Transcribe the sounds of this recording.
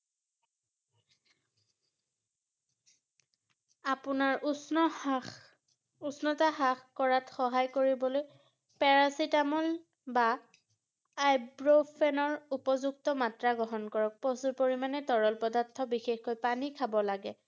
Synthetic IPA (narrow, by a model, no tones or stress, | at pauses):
apʊnaɹ | usnɔtaɦaxkɔɹatxɔɦajkoɹibɔloj | pɛɹasitamɔl | ba | jbɹopʰɛnɔɹupɔzuk̚tɔmatɹaɡɔɦɔnkɔɹɔk̚pɔsupoɹimanɛtɔɹɔlpɔdatʰːɔbixexkojpanikʰabɔlaɡɛ